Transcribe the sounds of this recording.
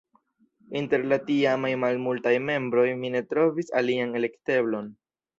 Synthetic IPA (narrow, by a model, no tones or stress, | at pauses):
inte̞ɾlatiamajmalmultajme̞mbɾo̞jmine̞tɾo̞visa̰liane̞le̞kte̞blo̞n